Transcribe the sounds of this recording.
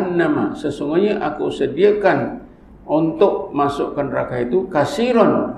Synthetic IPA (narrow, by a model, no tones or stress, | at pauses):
nːama̰səsuŋɡoɲaʔakuwsədiakan | ɔnt̪ɔʔmasuʔkanrakait̪ukasiɾɔn